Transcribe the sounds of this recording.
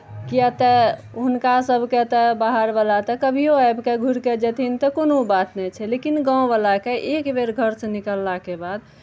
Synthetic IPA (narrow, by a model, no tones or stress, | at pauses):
kiət̪ɛ | ɦunkasəbʱket̪ɛbaɦəɾbəlat̪ɔkəbʱioajbkeɡʱuɾked͡ʒət̪ʰint̪ɔkonobat̪nɛt͡ʃʰɛlekinɡãw̃bəlakeʔekbeɾɡʱəɾsə̃nikəlːakebad̪̚